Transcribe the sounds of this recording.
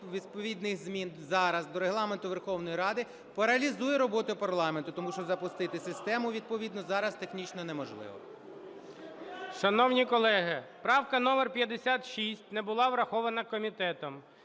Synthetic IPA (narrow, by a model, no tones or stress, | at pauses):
ʋʲid̪̚pɔʋʲid̪nɪɣzmʲinzɑɾɐzd̪ɔɾeɦlˠɑment̪ʊʋerxɔwnɔjiɾɑd̪ɪ | pɐɾɐlʲizujɛɾɔbɔt̪ʊpɐrlˠɑment̪ʊt̪ɔmuʃt͡ʃɔzɐpʊst̪ɪt̪ɪsɪst̪ɛmʊʋʲid̪̚pɔʋʲid̪nɔzɑɾɐst̪exnʲit͡ʃnɔnɛmɔʒlˠɪ̰ʋɔ̰ | ʃɐnɔwnʲikɔlˠɛɦɪpɾɑwkɐnɔmɛrpʲjɐd̪esʲat̪ʃisʲtʲnɛbʊlˠɑʋɾɐxɔʋɐnɐkɔmʲit̪ɛt̪ɔm